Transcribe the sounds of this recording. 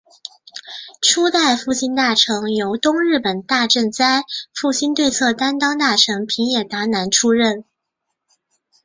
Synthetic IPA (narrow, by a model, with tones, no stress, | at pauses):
ʈ͡ʂʰu˥t̪a˥˧ɪfu˥˩ɕi˥nt̪a˥˩ʈ͡ʂʰɤ˧˥ŋjo˧˥ʊt̪ʊ˥ŋɻɻ̩˥˩pə˨˩nt̪a˥˧ʈ͡ʂə˥˩nt͡sa˥ɪfu˥˩ɕi˥nt̪we˥˧ɪt͡sʰɤ˥˩t̪a˥nt̪ɑ˥ŋt̪a˥˩ʈ͡ʂʰɤ˧˥ŋpʰi˧˥ŋjɛ˨˩t̪a˧˥na˧˥nʈ͡ʂʰu˥ɻə˥˩n